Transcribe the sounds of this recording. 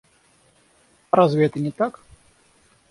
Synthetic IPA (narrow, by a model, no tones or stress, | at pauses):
ɾazvʲɛt̪ɨnʲɪt̪ak